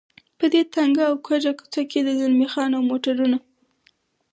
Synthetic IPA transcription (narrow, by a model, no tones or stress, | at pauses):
pəd̪et̪aŋɡaːwkʰwad͡ʒaku̥t͡sakːed̪əzʊlmixɑnawmoʈaɾuna